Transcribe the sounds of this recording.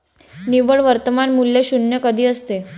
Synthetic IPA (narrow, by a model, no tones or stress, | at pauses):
niʋəɭʋəɾt̪əmanmuljeɕunjəkəd̪ʱiːəst̪e